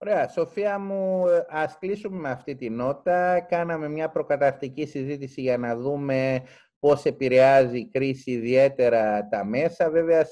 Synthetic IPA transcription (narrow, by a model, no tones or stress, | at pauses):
oɾeɐso̞fiɐmuɐsklisumemeɐft̪it̪ino̞t̪it̪ɐkɐnɐme̞mɲɐpɾo̞kɐt̪ɐft̪icisizit̪isiʝɐnɐðume̞ | po̞se̞piɾe̞ɐzikɾisiːðie̞t̪e̞ɾɐt̪ɐme̞sɐve̞ve̞ɐs